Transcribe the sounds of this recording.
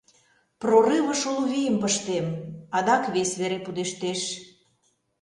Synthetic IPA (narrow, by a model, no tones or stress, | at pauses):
prorɨβə̆ʃulβijəmpəʃt̪emɑd̪ɑkβesβeɾepud̪eʃt̪eʃ